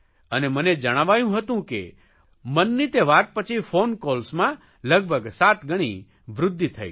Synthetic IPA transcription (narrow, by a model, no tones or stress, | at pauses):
əneməned͡ʒəɽ̃aʋajũɦət̪ũkḛ | mənːit̪eʋat̪̚pət͡ʃʰifonkolsmã | ləɡ̚bʱəɡsat̪ɡəɽ̃ḭ | ʋɾʊd̪ʱːit̪ʰə̰j̰